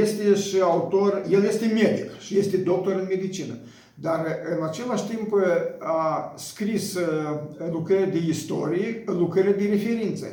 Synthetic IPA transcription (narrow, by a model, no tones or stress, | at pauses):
je̞st̪e̞ʃiaut̪o̞rje̞lje̞st̪e̞me̞d̪ikʃije̞st̪e̞d̪o̞k̚t̪o̞ɾɨnme̞d̪it͡ʃinə̰ | d̪arɨnat͡ʃe̞laʃt̪impaskɾis | lukɾəɾead̪eist̪o̞ɾijeəlukɾəɾead̪eɾe̞fe̞ɾint̪sə̰